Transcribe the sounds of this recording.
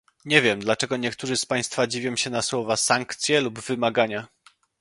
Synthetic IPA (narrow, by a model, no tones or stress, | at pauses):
ɲɛvʲjɛmd̪lat͡ʂɛɡɔɲɛkt̪uʐɘspaj̃st̪fad͡ʑivʲjɔ̃w̃ɕɛnaswɔvasaŋkt̪sʲjɛlubvɘmaɡaɲa